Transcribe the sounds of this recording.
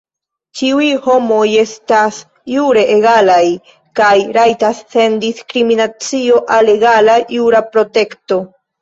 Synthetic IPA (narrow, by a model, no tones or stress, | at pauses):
t͡ʃiujho̞mo̞je̞stas | juɾe̞ʔeɡalaj | kajɾajtasːe̞ndiskɾiminat͡sio̞ʔale̞ɡalajuɾapɾo̞te̞kto̞